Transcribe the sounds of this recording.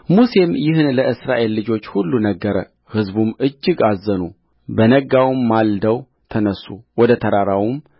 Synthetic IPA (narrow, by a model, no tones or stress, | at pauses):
muse̞mjɪɦɨnləʔɨsɾaʔe̞lːɨd͡ʒo̞t͡ʃːhulːunəɡːəɾə | hɨzbumɨd͡ʒːɪɡazːənu | bənəɡawmːald̪əw | t̪ʰənəsːuwɔd̪ət̪ʰəɾaɾawum